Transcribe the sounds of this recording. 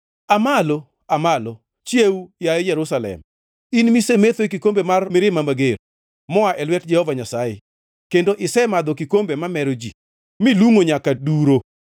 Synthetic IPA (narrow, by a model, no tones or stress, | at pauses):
amalo | amalo | t͡ʃjeujaejɛɾʊsalɛ̰m | inmisemet̪wekikombemarmɪɾɪmamaɡer | mɔaʔɛlwɛt̚d͡ʒɛhɔvaɲasae | kendoʔɪsɛmad̪ɔkikombemamɛɾod͡ʒḭ | mɪluŋoɲakaduɾo